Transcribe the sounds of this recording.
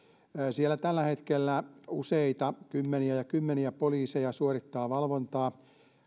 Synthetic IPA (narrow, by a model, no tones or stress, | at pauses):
sielːæt̪ælːæhet̪kelːæuseit̪ɑkymːeniæjɑkymːeniæpoliːsejɑsuorit̪ːɑːʋɑlʋont̪ɑː